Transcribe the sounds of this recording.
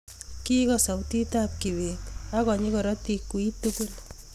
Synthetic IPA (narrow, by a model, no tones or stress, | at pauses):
kikɔsawtitap̚kiwetakɔɲikɔɾɔtikːuitukul